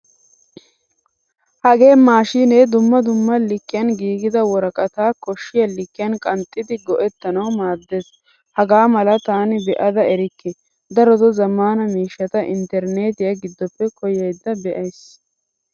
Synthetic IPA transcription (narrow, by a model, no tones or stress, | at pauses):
hɐɡe̞ːmaːʃineːd̪ʊmːɐd̪ʊmːɐlɪkːɪjɐnɡiːɡɪd̪ɐwɔɾɐkʼɐt̪aːkɔʃːɪjɐlɪkːɪjɐnkʼɐnt̪ʼːɪd̪ɪɡɔʔɛt̪ːɐnɐwmaːd̪ːeːs | hɐɡaːmɐlɐt̪aːnɪbɛʔɐd̪ɐɛɾɪkːɪ | d̪ɐɾɔd̪ɔzɐmːaːnɐmiːʃːɐt̪ɐʔɪ̰nt̪ɛɾneːt̪ɪjɐɡɪd̪ːɔpːɛkɔjɐjd̪ːɐbɛʔɐjs